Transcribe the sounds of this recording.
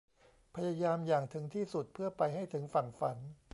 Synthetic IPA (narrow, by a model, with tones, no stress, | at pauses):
pʰa˧ja˧jaː˧mjaː˨˩ŋt̪ʰɯ˩˦ŋt̪ʰiː˥˩su˨˩t̪̚pʰɯː˥˩ɐpa˧jɦa˥˩jt̪ʰɯ˩˦ŋfa˨˩nfa˩˦n